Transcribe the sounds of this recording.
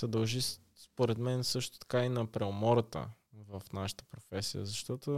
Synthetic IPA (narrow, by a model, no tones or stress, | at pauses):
sɛd̪ɐlˠʒi | spoɾɛd̪mɛnsɤʃt̪o̥t̪ɐ̥kainɐpɾɛomɔɾət̪ə̰ | vəfnaʃə̥t̪ə̥pɾofɛsḭjə̰zɐʃt̪ɔt̪o